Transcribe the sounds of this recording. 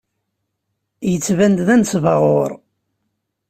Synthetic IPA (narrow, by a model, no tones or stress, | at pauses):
jət͡sːvænd̪ðænt͡sːvɑʁoɾˤ